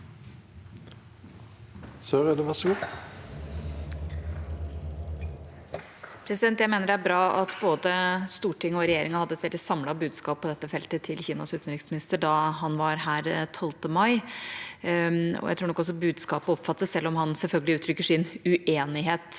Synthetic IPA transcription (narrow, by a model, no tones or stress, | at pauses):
sœɾɛd̪ɛʋɑsɡuː | pʰɾɛsɪd̪ɛnt̪jæɪmeːnəɖæɾbɾɑːʔɑt̪boːd̪əst̪uːʈʰɪŋːɔɾɛjeːɾɪŋɑhɑd̪ːəɛt̪ʋɛld̪ɪsɑmlɑbʉːd̪skɑːppʰːɔd̪ɛt̪ːəfɛlt̪ət̪ʰɪlçiːnɑ̰sʉːt̪ən̩ɾɪksmɪnɪst̪əɖɑhɑnʋɑɾhæːɾt̪ʰɔlt̪əmɑɪ | ɔ̰jæ̰t̪ʰuːɳɔkɔsːɔbʉːd̪skɑːpəɔpːfɑt̪ːəssɛlːɔmhɑnsɛlfœlɡəlɪʉːt̪ʰɾʏkːəʂɪnʉʔeːnɪɦeːt̪